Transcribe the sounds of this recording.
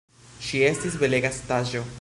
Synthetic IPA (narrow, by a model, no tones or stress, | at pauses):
ʃiest̪isbeleɡast̪aʒo̞